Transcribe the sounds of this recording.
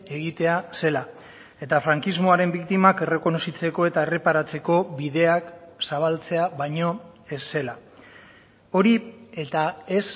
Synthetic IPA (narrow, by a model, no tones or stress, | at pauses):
e̞ɣit̪e̞ase̞la | e̞t̪afɾaŋkizmo̞aɾe̞mbikt̪imake̞re̞ko̞no̞sit͡se̞ko̞e̞t̪ae̞re̞paɾat͡se̞ko̞βiðe̞aksaβ̞alt͡se̞aβajɲo̞ | esːe̞la | o̞ɾie̞t̪ae̞s